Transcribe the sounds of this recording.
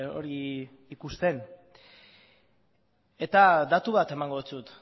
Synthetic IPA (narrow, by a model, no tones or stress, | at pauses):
o̞̰ɾi | ikust̪e̞n | e̞t̪ad̪at̪uβat̪e̞maŋɡo̞ðut͡sut̪